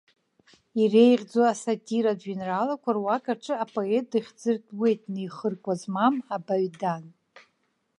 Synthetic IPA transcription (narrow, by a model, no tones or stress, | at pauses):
irejʁʲd͡zoasatʼiɾad͡ʒɥinralakʷʰarwakʰʼarʈ͡ʂʰʼɨapʼo̞et̚dɨχʲd͡zɨrtʰʼwe̞jtʼnɨjχərkʷʼazmamabaɥdan